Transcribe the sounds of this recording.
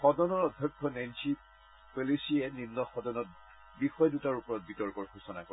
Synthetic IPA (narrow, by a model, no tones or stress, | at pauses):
xɔdɔnɔɹɔdʱːɔkʰːɔnajnti | polisiɛninːɔxɔdɔnɔt̚ | bixɔjdutaɹupɔɹɔt̚bitɔɹkɔɹxusɔna̰kɔ